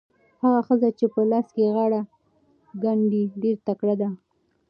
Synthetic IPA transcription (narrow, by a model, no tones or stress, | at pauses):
haɣaxəzat͡ʃepəlɑskeɣɑɽa | ɡaɳɖiɖeɾt̪akɽad̪a